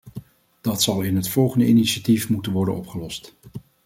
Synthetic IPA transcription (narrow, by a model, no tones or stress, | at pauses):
d̥ɑtsɑlˠɪnɦətfɔlˠχəndəiniʃatifmutənʋɔɹdə̰nɔpχəlɔst